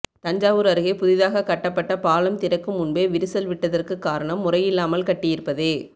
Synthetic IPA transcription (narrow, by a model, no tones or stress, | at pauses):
t̪ɐɲd͡ʒaːʋɯɾɐɾɯɣeːpʊðɪðaːɣɐkɐʈːɐpːɐʈːɐpaːlɐmt̪ɪɾɐkːɯmʊɳbeːʋɪɾɯsɐlʋɪʈːɐðɐrkɯkːaːɾɐɳɐmːʊrɐjɪlːaːmɐlkɐʈːɪjɪɾɯpːɐðeː